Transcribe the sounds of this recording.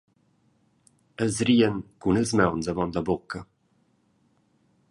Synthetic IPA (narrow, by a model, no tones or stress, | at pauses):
əlzɾiːənkunəlzmɛwnzəvɔnləbokʰə